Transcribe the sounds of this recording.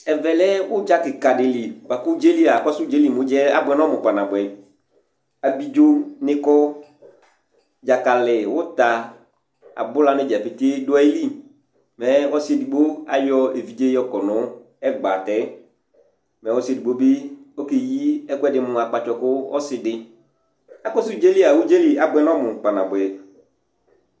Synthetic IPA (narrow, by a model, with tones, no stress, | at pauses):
ɛ˨vɛ˨lɛ˦wʊ˦d͡ʒa˦kɪ˨ka˨dɪ˨li˨k͡pa˨kʊ˦d͡ʒe˦li˦a˨kɔ˦sʊ˦d͡ʒe˦li˨mʊ̃˨˦d͡ʒɛ˦a˨bʊ˨ɛ˨˦nɔ˦mʊ̃˨k͡pa˨nã˨bɛ˨ | a˨bi˦d͡ʒo˦nɪ̃˦kɔ˦ | d͡ʒa˨ka˨lɪ˨wʊ˦t̪a˨ | a̰˨bʊ˦la˨nɪ̃˦d͡ʒɛ˨pɪ˨t̪e˦dʊ˦ɛ˦li˦ | mɛ˨wɔ˦se˨di˨ɡ͡bo˦a˨jɔ˦e˨vi˨d͡ʒe˦jɔ˦kɔ˨nʊ˦ | ɛ˦ɡ͡ba˨tɛ˦ | mɛ˨wɔ˦sɪ˦e˨di˨ɡ͡bo˦bɪ˦o˦ke˨ji˦ɛ˦kɛ˦dɪ˨mʊ̃˨a˨k͡pa˨t͡ʃɔ˨kʊ˦ɔ˦sɪ˨dɪ˨ | a˨kɔ˦sɪ˦d͡ʒe˦li˦a˨wu˦d͡ʒe˦li˨a˨bʊ˨˦ɛ˦nɔ˦mʊ˨k͡pa˨nã˨bʊ˨ɛ˨